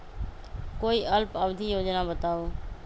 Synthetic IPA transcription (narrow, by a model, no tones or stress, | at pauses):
koːiːʔəlpəbd̪ʱijoːd͡ʒnãːbət̪aːoː